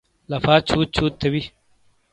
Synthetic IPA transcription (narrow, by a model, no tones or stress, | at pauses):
lɐfaːt͡ɕʰuːt̪̚t͡ɕʰuːt̪ʰːɐbi